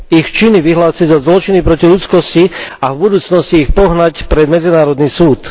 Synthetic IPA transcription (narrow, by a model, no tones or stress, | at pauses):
ixt͡ʃiniʋiɦlaːsiɟzazlɔt͡ʃinipɾɔciʎut͡skɔsciavbud̪uːt͡snɔsciːxpɔɦnacpɾɛd̪mɛd͡zinaːɾɔd̪niːsuːt̪